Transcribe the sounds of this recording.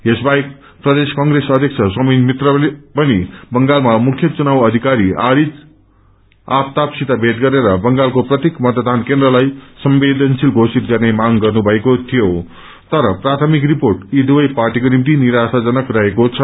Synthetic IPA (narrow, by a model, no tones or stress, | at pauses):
esbaek | prʌd̪eskʌŋɡresʌd̪ʱjʌkt͡sʰʌsʌmʌjmit̪rʌpʌnibʌŋɡalmamukʰjʌt͡sunawʌd̪ʱikaɾiaɾid͡z | apt̪apsit̪abʱet̪̚ɡʌɾeɾʌbʌŋɡalkoprʌt̪jekmʌt̪d̪ʱankend̪rʌlajsʌmbed̪ʱʌnsilɡʱosit̪ɡʌrnemaɡɡʌrnubʱʌekot̪ʰijo | t̪ʌɾʌprat̪ʰʌmik̬riporʈiɖuʌjparʈikonimit̪̬iniɾasad͡zʌnʌkrʌɦekot͡sʰʌ